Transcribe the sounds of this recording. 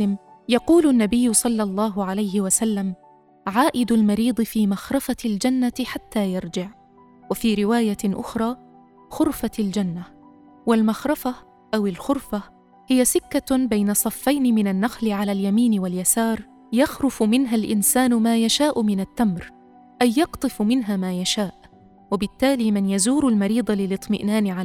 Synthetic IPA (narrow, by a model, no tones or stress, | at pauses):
ɪmjɑquːlʊnːabɪjːʊsˤɑlːɑlˤːɑːɦʊʕalajhɪwasalːam | ʕaːʔɪd̪ʊlmɑɾiːd̪ˤɨfiːmaxɾˤɑfald͡ʒanːaħat̪ːaːjɑɾˤd͡ʒɪʕ | wafiːɾɪwaːjaʔʊ̰xɾˤɑː | xʊɾfald͡ʒanːa | walmaxɾˤɑfa | ʔawɪlxʊɾfa | hɪjːasɪkːabajnasˤɑfːajnɪmɪnanːaxlɪʕalaljamiːnɪwaljasɑːɾˤ | jɑxɾʊfʊmɪnɦalʔɪnsaːnʊmaːjaʃaːʔʊmɪnat̪ːamɾ | ʔajːɑqt̪ˤɨfmɪnɦamaːjaʃaːʔ | wɪbɪt̪ːaːliːmɪnjazuːɾʊlmɑɾiːd̪ˤɑlɪlɨt̪ˤːmɪʔnaːnɪʕa